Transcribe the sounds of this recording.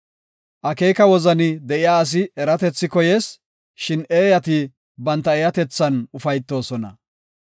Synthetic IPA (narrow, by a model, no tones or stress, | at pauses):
ʔɐkeːkɐwɔzɐnɪd̪ɛʔɪjaːɐs̬ɪɛɾɐt̪ɛt͡sːɪkɔjeːs | ʃɪneːjɐt̪i | bɐnt̪ːɐɛjɐt̪ɛt͡sːɐnʊfɐjt̪ːo̞ːsɔnɐ̰